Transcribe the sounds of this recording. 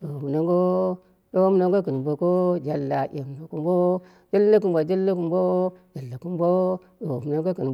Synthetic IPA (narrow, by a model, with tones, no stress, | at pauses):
do˨mu˨na˦ŋɡo˦ | ɗo˦m˦na˦ŋɡo˦ku˨n˨mbo˨ko˦d͡ʒa˦lːa˨ʔʲe˨m˨bo˨ku˨mbo˦ | d͡ʒa˦lːa˦ku˨mba˨d͡ʒa˦lːa˦ku˨mbo˦d͡ʒa˨lːa˨ku˦m˦bo˦ | do˨mu˨na˦ŋɡo˦ku˨n˨